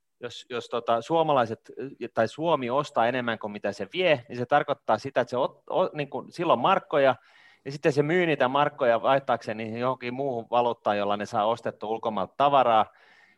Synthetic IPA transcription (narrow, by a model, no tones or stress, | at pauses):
josjost̪ot̪ɑsuomɑlɑiset̪t̪ɑisuomiost̪ɑːenemːæŋkomit̪æseʋieniset̪ɑrkot̪ːɑːsit̪æet̪seot̪oniːŋkunsilːommɑrkːojɑ | jɑsit̪ːessemyːniːt̪æmɑrkːojɑɑiht̪ːɑːkseːnnisjohoŋkimuːhuʋɑlut̪ːɑːjolːɑnesɑːost̪et̪ːuulkomɑlt̪t̪ɑʋɑrɑː